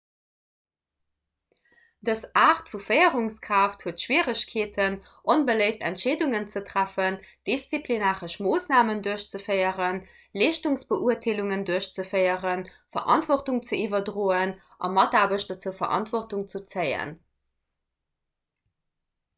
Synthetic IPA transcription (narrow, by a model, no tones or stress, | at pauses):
dəsaːχtfufəɪəʁuŋskʁ̥aːfthuətʃwiːəʁəɕkʰeːtʰən | ʔonbələɪftæntʃeːduŋənt͡sətʁ̥æfənd̥ist͡siplinaːʁəʃmoːsnaːmənduəɕt͡səfəɪəʁən | liːʃtuŋsb̥əʔuɐtʰeːluŋənduɐəɕt͡səfəjəʁən | fɐ̰ʔɑ̰ntv̥ɔχtuŋt͡səivɐdʀoːən | ʔɑ̰mɑtaːbəɕtdɐt͡suəfɐ̰ʁʔɑ̰ntvɔχtuŋt͡sut͡səɪə̰n